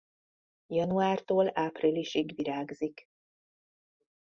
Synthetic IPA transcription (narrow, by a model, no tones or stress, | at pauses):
jɒnuaːrt̪oːlaːpriliʃiɡʋiɾaːɡzik